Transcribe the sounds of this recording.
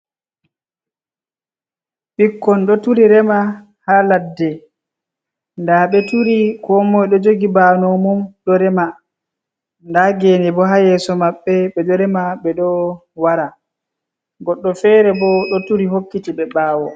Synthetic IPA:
ɓikːɔnɗɔtuɾiɾɛma | haladːɛ | ndaɓɛtuɾikɔmɔjɗɔd͡ʒoɡibanɔmɔmɗɔɾɛma | ndaɡenɛbɔɦajɛsɔmaɓːɛɓɛɗɔɾɛmaɓɛɗɔwaɾa | ɡɔɗːɔfɛɾɛbɔɗɔtuɾiɦokːitiɓɛɓaːwɔ

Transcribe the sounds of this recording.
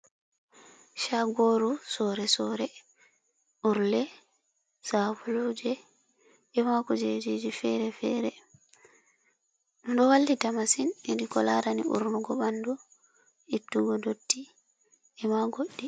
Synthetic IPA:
ʃaɡoɾusɔːɾɛsɔɾɛ | ʔuɾlɛ | safulud͡ʒɛ | ɛmakɔd͡ʒed͡ʒed͡ʒifɛɾɛfɛɾɛ | nɗɔwalːitamasininikɔlaɾanḭṵɾnuɡɔɓandu | itːuɡɔdotːi | ɛmaɡoɗːi

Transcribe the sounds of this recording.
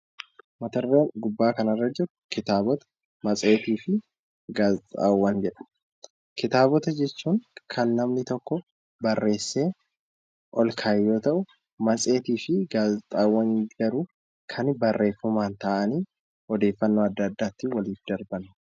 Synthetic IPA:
mɐt̪ɐrːeːnɡʊbːaːkɐnɐrːɐd͡ʒɪɾʊkɪt̪aːbɔt̪ɐ̥ | mɐt͡sʼe̞ːt̪iːfɪ | ɡaːzt̪ʼa̰ːwːɐnd͡ʒɛᶑɐ̥ | kɪt̪aːbɔt̪ɐd͡ʒɛt͡ʃːuːŋkʰɐnlɐmnɪt̪ɔkːɔ | bɐrːe̞ːsːe̞ː | ʔɔlkʰaːjːo̞ːt̪ɐʔʊ | mɐt͡sʼe̞ːt̪iːfɪɡaːzt̪ʼaːwːɐnɡɐɾʊ | kʰɐnbɐrːe̞ːfɐmaːnt̪aːʔɐniː | ɔd̪e̞ːfːɐnːoːɐd̪ːɐːd̪ːaːt̪ːɪwɐliːfd̪ɐɾbɐnː

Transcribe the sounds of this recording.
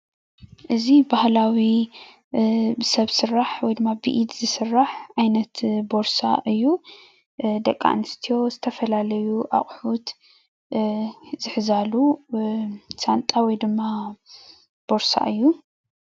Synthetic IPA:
ʔɨzibahlawi | bɨsɐβsɨrːaħwɔjd̪ɨmːabɨ̰ʔid̪zɨsɨrːaħʔajnɐt̪bo̞ɾsa̰ʔɨjːu | d̪ɐkʼːa̰nɨst̪ʰijo̞zɨt̪ʰɐfɐlalɐjuʔa̰χʼħut̪ | zɨħzalu | sant̪ʼawɔjd̪ɨmːa | b̥o̞ɾsa̰ʔɨjːu

